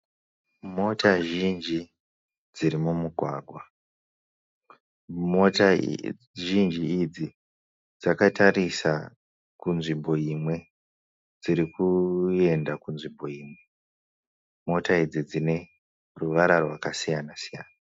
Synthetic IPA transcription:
mo̞taʒind͡ʒi | d͡zd͡ziɾimumuɡʱwa̰ːɡʱwa | mota | ʒind͡ʒiːd͡zi | d͡zakatarisa | kunʐimbo̞imwe̞ | d͡ziɾikue̞ndakunʐimbo̞iːmwe̞ | mo̞taid͡zid͡zine̞ | ruʋaɾarwakasijanasijaːna

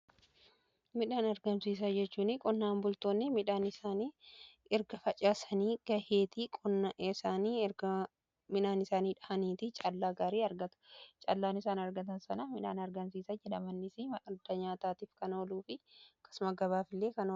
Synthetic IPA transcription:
mɪᶑaːnɐɾɡɐmsiːs̬aːd͡ʒɛt͡ʃːuːnɪkʼɔnːaːmbʊlt̪oːnːɪmɪᶑaːnɪsaːni | ɛɾɡɐfɐt͡ʃʼaːsɐniːɡ̥ɐheːt̪ikʼɔnaʔsaːniː | mɪᶑaːnɪsaːniːᶑɐɐniːt̪ɪt͡ʃʼɐlːaːɡaːɾiːɐɾɡɐt̪ʊ̥t͡ʃʼɐlːaːnɪsaːnɐɾɡɐt̪ɐnsɐnɐmɪᶑaːnɐɾɡɐmsiːsɐd͡ʒɛᶑɐmɐnːɪsɪmɐɐd̪ɐɲaːt̪aːt̪iːfkɐnɐɔluːfɪkɐ̥sʊmɐɡɐβaːfɪlːeːkɐn

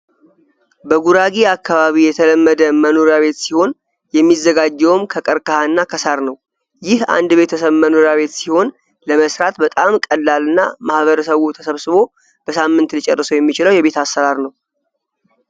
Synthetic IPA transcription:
bəɡuɾaɡiakʰːaβaβijɛt̪ʰələmːəd̪əmənoɾjaβe̞t̪siho̞n | jɛmːizːəɡad͡ʒːɛwmkʰəkʼəɾkʼəhanːakʰəsaɾnəw | jɪha̰nd̪be̞t̪ʰəsəβməno̞ɾjaβe̞t̪siho̞n | ləməsɾat̪bət̪ʼamkʼəlːalɨnːa̰mahβəɾəsəβut̪ʰəsəβsɨβo̞ | b̥əsamːɨnt̪lit͡ʃʼɛrːɨsəwjɛmːit͡ʃɪləwjɛβe̞t̪asːəɾaɾnəw

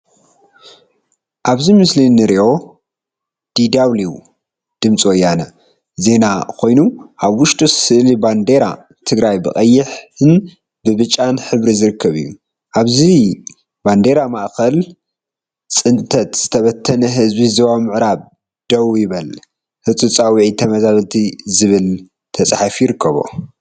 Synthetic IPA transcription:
ʔaβzimɨslinːɨɾiʔo̞ | d̪̥id̪aβliwṵ | d̪̥ɨmt͡sʼiojːanɐ | ze̞nakʰo̞jnuʔaβwʊʃt̪ʼussɨʔliband̪e̞ɾa̰ | t̪ʰɨɡɾajbɨkʼɐjːɪħɨn | bɨβɨt͡ʃʼːanħɨβɾizɨɾɨkʰːɐβijːṵ | ʔaβzi | band̪e̞ɾamaʔkɐl | t͡sʼɨnt̪ʰɐt̪z̥ɨt̪ʰɐβɐt̪ʰːɐnɐɦɨzbizɐβamɨʕɾaβ | d̪̥ɐwjɪβɐl | hɨt͡s̪ʼut͡sʼawiʕit̪ʰɐmɐzaβɐlt̪ʰizɨβɨl | t̪ʰɐt͡sʼħafjɪɾɨkʰːɐβo̰

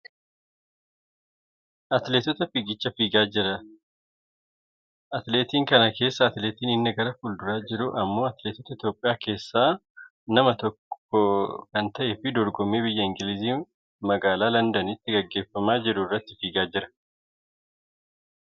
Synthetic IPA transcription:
ʔɐt̪leːt̪ɔt̪ɐfiɡɪt͡ʃːɐfiːɡaːd͡ʒɪɾɐ | ʔɐt̪le̞ːt̪iːŋkɐnɐke̞ːsːɐːt̪leːt̪iːnɪnːɐɡɐɾɐfuld̪ʊɾaːd͡ʒɪɾʊʔɐmːo̞ːɐt̪le̞ːt̪ɔt̪ɐɪt̪jo̞ːpʼːɪjaːke̞ːsːaː | nɐmɐt̪ɔkːɔkɐnt̪ɐʔefɪd̪ɔɾɡɔmːeːbɪjːɐɪŋɡɪlɪziː | mɐɡaːlaːlɐnd̪ɐnɪt̪ːɪɡɐɡːe̞ːfːɐmaːd͡ʒɪɾʊrːɐt̪ːɪfiːɡaːd͡ʒɪɾɐ̥

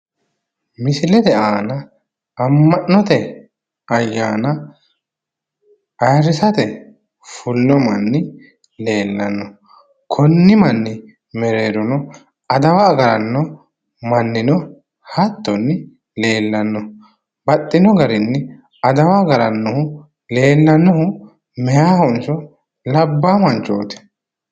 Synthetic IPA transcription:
mɪsɪlɛd̪ɛʔaːnɐ | ɐmːɐnːɔt̪ɛ | ɐjːaːnɐ | ɐjɐɾɪsɐt̪ɛ | fʊlnɔmɐnːɪ | le̞ːlːɐnːɔ | kʰɔnːɪmɐnːɪ | mɛɾeːd̪ɔnɔ | ɐd̪ɐwaːɡɐɾɐnːɔ | mɐnːɪnɔ | hɐt̪ːɔnːɪ | le̞ːlːɐnːɔ | bɐt̪ʼːɪnɔɡɐɾɪnːɪ | ɐd̪ɐwaɡɐɾɐnːɔhʊ | le̞ːlːɐnːɔhʊ | mɛjaːhɔnt͡ʃɔ | lɐbːaːmɐnt͡ʃːoːt̪ɛ̥

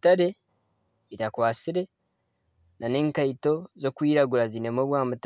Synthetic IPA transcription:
taɾe̞ | itakwaːsiɾe̞ | nane̞ːŋkaito̞zo̞kwiːɾaɡuɾazine̞moːβwaːmut

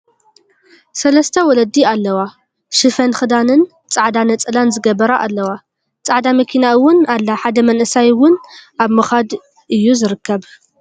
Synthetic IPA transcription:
sɐlɐst̪ʰɐwɔlɐd̪ialːɐwa | ʃɨfɐnxɨd̪anɨn | t͡sʼaʕd̪anɐt͡sʼɨlanzɨɡɐbɐɾaʔalːɐwa | t͡sʼaʕd̪amɐkʰinaʔɨwʊnalːaħad̪ɐmɐnʔɨsajwʊnʔaβmɨxad̪ | ʔɨjːuzɨɾɨkʰːɐβ

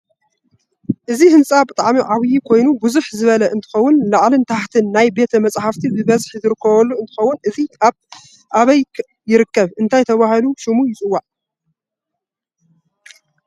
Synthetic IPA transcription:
ʔɨzihɨnt͡sʼabɨt̪ʼaʕmiʕaβijikʰo̞jnubɨzuħzɨβɐlɐʔɨnt̪ʰɨ̥xɐwːʊnlaʕlɨnt̪ʰaħt̪ʰɨnːajbe̞t̪ʰɐmɐt͡sʼħaft̪ʰibɨβɐzħizɨɾɨkːɐβɐlːuɨnt̪ɨxɐwːʊnʔɨziaβ | ʔaβɐj | jɪɾɨkːɐβɨnt̪ʰajt̪ʰɐβahaluʃɪmujɪt͡sʼɨwːaʕ

